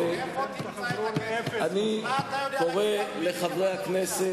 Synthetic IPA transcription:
e | anikoʁeleχavʁejaknese

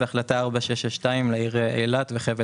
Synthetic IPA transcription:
eaχlat̪aaʁbaʃeʃaʃtaimleiʁeḛjlat̪veχev

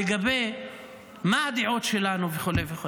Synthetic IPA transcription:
eɡabe̞j | maad̪iʕo̞tʃe̞lanuveχulejveχo

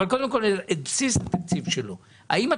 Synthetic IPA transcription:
alko̞d̪emko̞leetbsistat̪ak̚t͡sivʃelo | a̰ima

